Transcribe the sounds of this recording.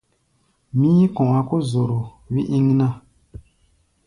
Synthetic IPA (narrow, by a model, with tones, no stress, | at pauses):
mĩ˦kɔ̃˨a˨ko˦zo˨ɾo˨ | wi˦ʔĩ˦ŋ˦nã˦